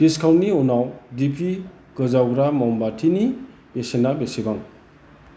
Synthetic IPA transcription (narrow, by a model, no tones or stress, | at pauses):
d̥iskʰawntnːiunawdipʰi | ɡ̥ɯzawɡɾamɔwmbatʰini | besenabesebaŋ